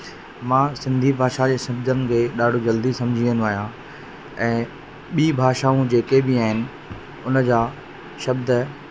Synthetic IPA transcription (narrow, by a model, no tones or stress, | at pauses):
mãːsɪ̃nd̪ʱibʱaːʃad͡ʑeːsɐbd̪ʱənɪ̆kʰeːɗaːɖʱod͡ʑɐld̪isɐ̃md͡ʑʱĩə̃nuaːɦijã | ɛ̃ː | ɓiːbʱaːʃaːũd͡ʑeːkebɪaːɦɪnɪ̆ | ʊnəd͡ʑaː | ʃɐb̚d̪ə